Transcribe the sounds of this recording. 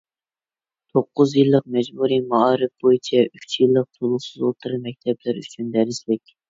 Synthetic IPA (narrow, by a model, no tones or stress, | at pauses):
t̪ʰoqːʊzjilˠːəq̚mɛd͡ʒbuɾimɑɑːɾɨfb̥ojit͡ʃʰɛyt͡ʃʰjilˠːəq̚t̪ʰolˠʊχsɨzot̪ʰɨɾɨmɛk̚ʲt̪ʰɛblæɾyt͡ʃʰynd̪æɾɪslɪkʲ